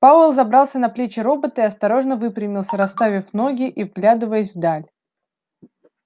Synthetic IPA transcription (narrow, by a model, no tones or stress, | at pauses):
paʊɛlˠzɐbɾɑlˠsʲənɐplʲet͡ɕɪɾo̞bət̪əiɐst̪ɐɾo̞ʐnəvɨpɾʲɪmʲɪlˠsʲəɾɐst̪avʲɪfno̞ɡʲɪʔivɡlʲad̪ɨvəjɪs̬ʲvd̪alʲ